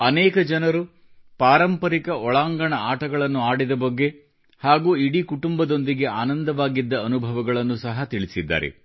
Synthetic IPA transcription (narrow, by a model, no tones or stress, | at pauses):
ɐnɛːkɐd͡ʒɐnɐɾu | paːɾɐmpɐɾikɐʔɔɭaːŋɡɐɳɐaːʈɐɡɐɭɐnːuaːɽid̪ɐbɐɡːe̞ | haːɡuːiɽikuʈumbɐd̪o̞nd̪iɡe̞aːnɐnd̪ɐʋaːɡid̪ːɐːnubʱɐʋɐɡɐɭɐnːusɐɦɐt̪iɭisid̪ːa̰ːɾḛ